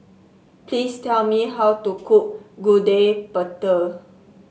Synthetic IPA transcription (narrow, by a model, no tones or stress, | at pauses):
plistɛlmiɦawtukuʔɡudepətə